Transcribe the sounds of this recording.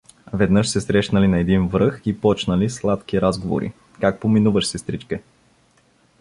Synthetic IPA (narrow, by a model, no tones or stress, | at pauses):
vɛd̪nɤʃsɛsɾɛʃnəlinɐɛd̪invɾɤxipɔt͡ʃnəlislˠat̪kiɾazɡovo̰ɾḭ | kak̚pominuvəʃsɛst̪ɾit͡ʃkɛ